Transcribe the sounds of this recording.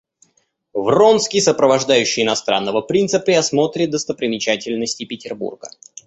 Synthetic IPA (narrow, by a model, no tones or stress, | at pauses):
vro̞nskʲɪjsəpɾəvɐʐd̪ajʉɕːɪjɪnɐst̪ɾa̰nːəvəpɾʲint̪səpɾʲɪɐsmo̞t̪ɾʲɪd̪əst̪əpɾʲɪmʲɪt͡ɕætʲɪlʲnəsʲtʲɪpʲɪtʲɪrbṵrɡə̰